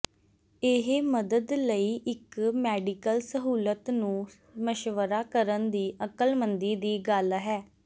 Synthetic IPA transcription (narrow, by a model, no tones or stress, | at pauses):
ɪɦməd̪əd̪ləiːʔɪkmɛːɖikəlsəɦuːlət̪nũː | məʃʋəɾaːkəɾənd̪iːʔəkəlmənd̪iːd̪iːɡəlɦɛː